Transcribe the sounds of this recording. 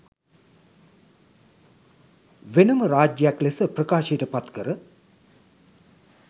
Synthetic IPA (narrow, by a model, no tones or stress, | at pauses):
ʋenəməɾaːd͡ʒjəjaklesəprəkaːʃijəʈəpat̪kəɾə